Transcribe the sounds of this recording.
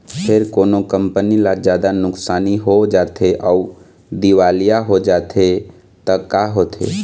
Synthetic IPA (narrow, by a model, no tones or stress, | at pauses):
pʰeɾkoːnokəmpənilad͡ʒjaːd̪anʊksaːniɦod͡ʒaːt̪ʰeʔau | d̪iʋaːlijaɦod͡ʒaːt̪ʰe | t̪əkaɦot̪ʰḛ